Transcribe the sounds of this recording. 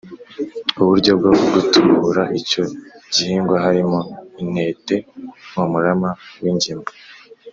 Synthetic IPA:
uβuɾɟo̞b̚ɡouɡutʰuɾaʔico̞ɟihiːŋɡwaɦaɾimoine̞ːte̞mumuɾamawiɲɟima

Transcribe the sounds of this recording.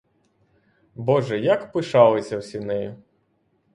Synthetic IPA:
bɔʐɛjakpɪʃɑlˠɪsʲɐwsʲinɪj

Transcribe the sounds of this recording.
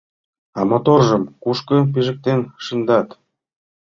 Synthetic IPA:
ɑmot̪orʒɤmkuʃkɤ̆p̬iʒə̆k̚t̪enʃɯnd̪ɑt̪

